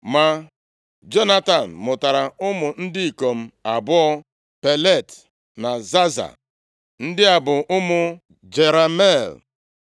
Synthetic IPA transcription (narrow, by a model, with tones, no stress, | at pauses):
ma˨ | d͡ʒo˦na˦ta˨n̩˨mʊ˨ta˨ɾa˨ʊ˦mʊ˨n̩˦dɪ˦i˨ko˨m̩˦a˨bʊ˦ɔ˦ | pe˨le˦˨t | na˨za˦za̰˨ | n̩˦dɪ˦a˨bʊ˨ʔʊ˦mʊ˨ | d͡ʒe˨ɾa˨me˦˨l